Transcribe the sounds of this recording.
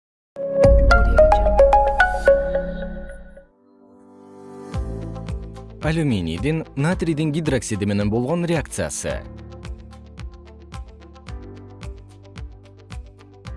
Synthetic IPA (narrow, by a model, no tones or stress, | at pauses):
alʲumʲinʲḭjd̪inːat̪rʲijd̪iŋɡʲid̪roksʲid̪ɪme̞ne̞nbo̞lˠʁo̞nrʲeakt̪sɨja̰sɨ̰